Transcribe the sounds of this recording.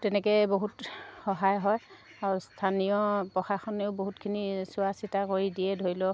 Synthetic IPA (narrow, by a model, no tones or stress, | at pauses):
tɛnɛkɛboɦutxɔɦajɦɔj | aɹustʰanijɔpɹɔxaxɔneʊboɦutkʰinisʊwasitakoɹidijɛdʱoɹilɔ